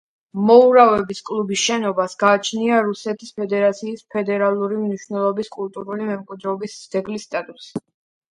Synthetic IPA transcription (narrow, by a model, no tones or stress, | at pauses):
mɔuɾavɛbiskʼlˠubisʃɛnɔbasɡaːt͡ʃʰniaɾusɛt̪ʰispʰɛd̪ɛɾat̪sʰiːspʰɛd̪ɛɾalˠuɾimniʃvnɛlˠɔbiskʼulˠt̪ʼuɾulimɛmkʼwid̪ɾɛːbisd̪z̥ɛɡlist̪ʼat̪ʼus